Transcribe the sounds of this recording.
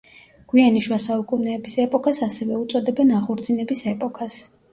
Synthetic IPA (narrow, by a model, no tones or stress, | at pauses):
ɡ̥wianiʃwasaukʼunɛːbisɛpʼɔkʰasasɛvɛut̪sʼɔd̪ɛbɛnaχuɾd̪zinɛbisɛpʼɔkʰas